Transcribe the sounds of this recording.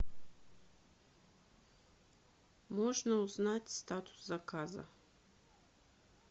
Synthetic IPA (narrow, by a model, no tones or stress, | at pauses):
mɔʐnəuznatʲst̪at̪ʰʊ̥szakʰazɐ̰